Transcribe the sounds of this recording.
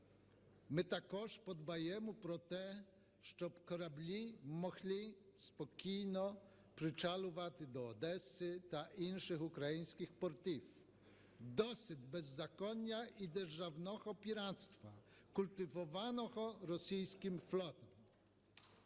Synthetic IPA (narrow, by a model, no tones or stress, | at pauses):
mɘt̪akɔʂpɔd̪bajɛmupɾɔt̪ɛ | ʂt͡ʂɔpkɔɾablʲimɔɣlʲispɔkʲijnɔ | pɾɪt͡ʂalɔvat̪ɪd̪ɔːd̪ɛsɪt̪aʔinʂɘxukɾajiɲ̃skʲixpɔɾt̪if | d̪ɔsɪd̪bɛzːakɔnʲːaʔid̪ɛɾʐavnɔɣɔpʲiɾat̪st̪fakult̪ɪvɔvanɔɣɔɾɔsʲijskʲimflɔt̪ɔm